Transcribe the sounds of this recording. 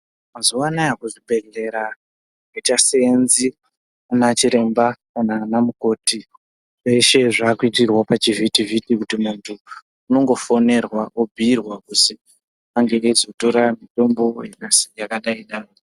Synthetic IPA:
mazuwanajakuʐibʱe̞ɮe̞ɾa | oitaseenzi | anat͡ʃiɾe̞mbakanaːnamuko̞ːti | eʃe̞ʐaːkuitirwapat͡ʃivitivitikutimuntʰu | uno̞ŋɡo̞fone̞rwaʔubʱiːrwakusi | aŋɡeːzo̞to̞ɾamito̞mbo̞jakasijakaɗaiɗaːro

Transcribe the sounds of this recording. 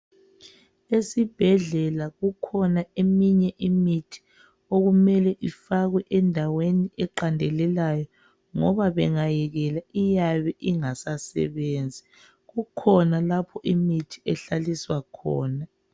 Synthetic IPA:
esib̥ʱɛɮɛlaɣukʰɔnaemiɲɛʔimitʰi̥ | oɣumɛlɛʔifaɣwɛʔɛndʱaweniʔɛǃandʱɛlɛlajɔ | ŋɔβaβɛŋajɛɣɛlaijaβɛʔiŋasasɛ̰βeːnd͡zʱi | ɣukʰɔnalapʰɔʔimitʰi̥ɛɬaliswakʰɔːna

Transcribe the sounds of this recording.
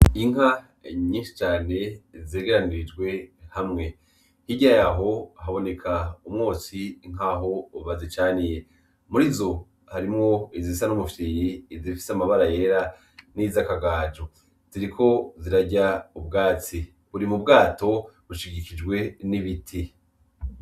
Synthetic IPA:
iŋ̥a | ɲiːnʃi̥t͡ʃaːne̞ze̞ːɡe̞ɾaniɾid͡ʒɡwe̞hamŋe̞ | hiɟajaɦo̞ɦaβo̞ne̞kʰaumŋoːsiŋ̥ɦaːɦo̞uβazit͡ʃaːnije̞ | muɾizo̞ | haɾimŋo̞izisanumufijiːzifi̥samaβaɾaje̞ːɾa | niːzakaɡaːd͡ʒo | z̥iɾikʰo̞ziɾaɟaub̚ɡaːt͡si | βuɾimub̚ɡaːto̞βuʃiɡikid͡ʒɡwe̞niβitʰi

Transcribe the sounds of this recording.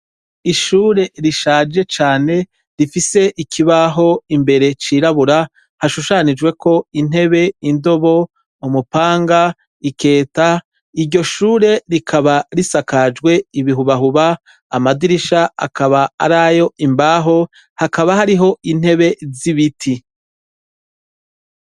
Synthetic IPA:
iʃuːɾe̞ɾiʃaːd͡ʒe̞t͡ʃaːne̞ | ɾifise̞ʔikʰiβaɦo̞imbe̞ɾe̞t͡ʃiːɾaβuɾa | haʃuʃanid͡ʒwe̞ko̞in̥he̞βe̞indo̞βo̞ | umupaːŋɡa | ike̞ːta | iɾɟo̞ʃuːɾe̞ɾikʰaβaɾisakad͡ʒɡwe̞iβiɦuβaɦuβaː | madiɾiʃaa̰kʰaβaa̰ɾajo̞ʔimbaːɦo̞ | hakaβahaɾiɦo̞in̥he̞βe̞ziβitʰi

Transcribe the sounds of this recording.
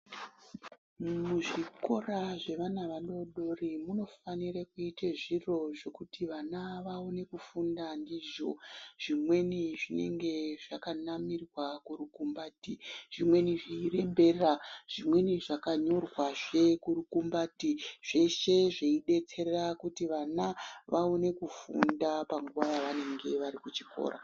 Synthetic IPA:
mmuʐiko̞raʐe̞ʋanaʋando̞ɗo̞rimuno̞fanirakuiteʐiro̞ʐe̞kutʰiʋanaʋaone̞kufundandiʐo̞̰ʐ̥imwe̞niʐine̞̰ŋɡe̞ʐakanamirwakurukumbaːtiʐ̥imwe̞niʐiire̞mbe̞raʐ̥imwe̞niʐakaɲo̞rwaʐe̞kuɾukumbatiʐ̥e̞ʃe̞ʐeiɗe̞t͡se̞rerakutiʋanaʋaone̞kufṵndapaŋɡuʋajaʋane̞ŋɡe̞ʋaɾikut͡ʃiko̰ːɾa̰

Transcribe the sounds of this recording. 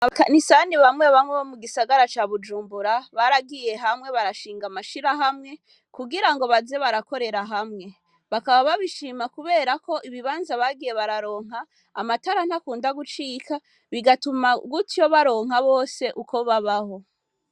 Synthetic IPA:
aβakanisaniβamŋeβamweβomuɡisaɡaɾat͡ʃaːβud͡ʒuːmbuɾaβaɾaɡije̞ɦamŋe̞βaɾaʃiːŋɡamaʃiɾaɦamŋe̞ | kuɡiɾaŋɡo̞βaze̞βaɾako̞ɾe̞ɾaɦamŋe̞ | βakaβaβaβiʃiːmakuβe̞ːɾako̞ʔiβiβaːnzaβaɡije̞βaɾaɾo̞ːŋ̥ɦaː | mataɾan̥hakuːndaɡut͡ʃiːka | βiɡatumaɡutʰijo̞βaɾo̞ːŋ̥aβo̞ːse̞ʔuko̞βaβaho̞

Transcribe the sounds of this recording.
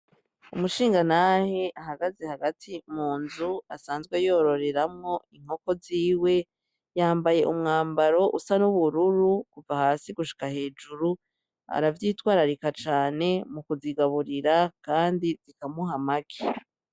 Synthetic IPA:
umuʃiːŋɡanahe̞ʔaɦaɡaze̞haɡatʰimuːnzuasaːnzɡwe̞jo̞ɾo̞ɾe̞ɾamŋo̞iŋ̥ho̞ko̞ziːwe̞ | jaːmbaje̞ʔumŋaːmbaɾo̞ʔusanuβuɾuɾukuvahaːsiɡuʃi̥kahe̞ːd͡ʒuɾu | a̰ɾavjiːtwaːɾaɾikat͡ʃaːne̞mukuziɡaβuɾiɾakaːndizikamuɦamaki

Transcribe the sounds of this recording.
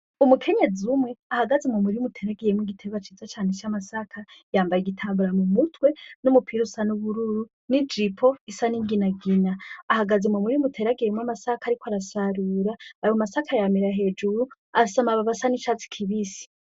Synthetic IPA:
umukʰe̞ɲe̞d͡zumŋe̞ahaɡazemomuɾiumutʰeɾaɡijemwiɡitʰeβat͡ʃizat͡ʃaːnet͡ʃamasakʰajaːmbajiɡitʰaːmbuɾamumutwe̞numupʰiɾusanuβuɾuɾu | nid͡ʒipʰo̞isaniŋɡinaɡinaːhaɡazemomuɾimutʰeɾaɡijemwamasakaɾikwaɾasaɾuɾaamasakʰajamiɾaɦe̞ːd͡ʒuɾu | asamaβaβasanit͡ʃat͡si̥kʰiβisi̥

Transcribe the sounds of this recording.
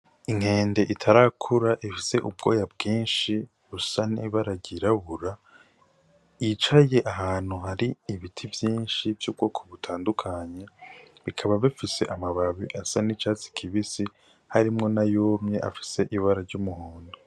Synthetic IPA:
iŋhe̞ːnde̞ʔitʰaɾakʰuɾaʔifise̞ʔub̚ɡo̞̰ːjab̚ɡiːnʃi | βusaniβaɾaɟiɾaβuɾa | it͡ʃaje̞ʔaɦaːn̥huhaɾiːβitʰivjiːnʃivjub̚ɡo̞ːkʰoβutʰaːndukʰaɲe̞βikʰaβaβifise̞̰ʔamaβaβiʔasanit͡ʃaːt͡si̥kʰiβisi | haɾimŋo̞najoːmɲe̞ʔa̰fi̥se̞ʔiβaɾaɾɟumuhoːndo

